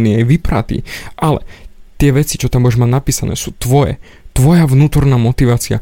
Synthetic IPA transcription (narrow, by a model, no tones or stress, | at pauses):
niajʋipɾa̰t̪ḭːʔalɛ̰t̪ɪɛʋɛt͡si̥t͡ʃɔt̪ambʊjɛʒmaɟnapiːsanɛ̰ːsuːt̪ʋɔjɛ̰ | t̪ʋɔjaʋnuːt̪ɔɾnaːmɔt̪iʋaːt͡sia̰